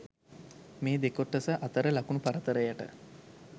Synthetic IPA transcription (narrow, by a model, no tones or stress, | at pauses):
meːd̪ekoʈːəsəʔat̪əɾəlakunupaɾət̪əɾəjaʈə̰